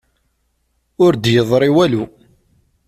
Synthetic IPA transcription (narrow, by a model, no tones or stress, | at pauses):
ʊɾd̪jəðˤɾˤiwælu